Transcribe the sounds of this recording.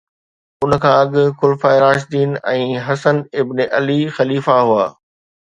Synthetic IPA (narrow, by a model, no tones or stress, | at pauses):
ʊn̆kʰãːɐɠʊkʊlfaːɪɾaːʃd̪iːnɛ̃ːɦɐsənɪbneʔɐlixɐliːfaɦuaː